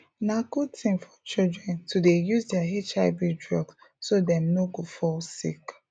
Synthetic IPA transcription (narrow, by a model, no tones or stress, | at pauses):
nakud̚tĩmfɔt͡ʃildɹɛ̃ntudejuzdɛaɦet͡ʃaɪbidɹɔɡs | sodɛ̃mnoɡofɔlsḭk